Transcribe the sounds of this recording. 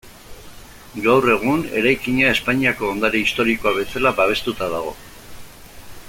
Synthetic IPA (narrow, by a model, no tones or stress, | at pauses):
ɡawre̞ɣ̞une̞̰ɾajkiɲae̞spaɲiako̞ːnd̪aɾeist̪o̞ɾiko̞aβe̞salabaβ̞e̞st̪ut̪aðaɣ̞o̞̰